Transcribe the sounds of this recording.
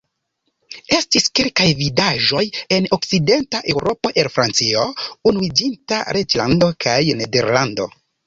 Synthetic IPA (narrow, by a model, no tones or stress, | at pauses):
e̞stiskelkajvidaʒo̞je̞no̞k̚t͡side̞ntaʔe̞wɾʔo̞po̞ʔelfɾant͡sio̞unuid͡ʒinta̰ɾʔet͡ʃlando̞kʰajne̞de̞ɾlando̞̰